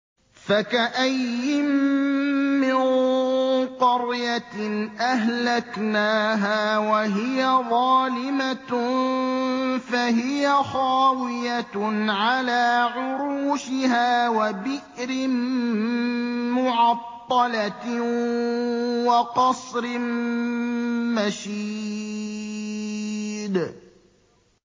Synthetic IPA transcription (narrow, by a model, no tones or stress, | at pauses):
fakaʔajːɪmmː | ɪn | qɑɾjanʔaɦlaknaːɦaːwaɦɪjaðˤɑːlɪmat̪ | faɦɪjaxaːwɪjaʕalaːʕʊɾuːʃɪhaːwabɪʔɾɪ | mʊʕɑt̪ˤːɑla | wɑqɑsˤɾɪm | maʃi | d̪